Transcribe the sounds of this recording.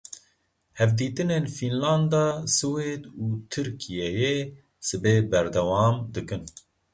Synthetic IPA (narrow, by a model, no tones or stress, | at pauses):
hɛvd̪iːt̪ɨneːnfinlɑːnd̪ɑːsɨweːd̪uːt̪ʰɨɾkʰijɛje | sɨbeːbɛɾd̪ɛwɑːmd̪ɨkɨn